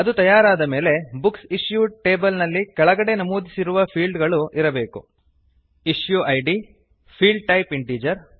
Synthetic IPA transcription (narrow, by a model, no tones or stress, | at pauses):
ɐd̪ut̪ɐjaːɾaːd̪ɐme̞ːle̞buksiʂjuʈe̞ːbɐlnɐlːikɛɭɐɡɐɽe̞nɐmuːd̪isiɾuʋɐpʰiːlɖɡɐɭuʔiɾɐbe̞ːku | iʂjuʔɐjɖi | pʰiːɭɖ̚ʈɐjpiɳʈiːd͡ʒɐɾ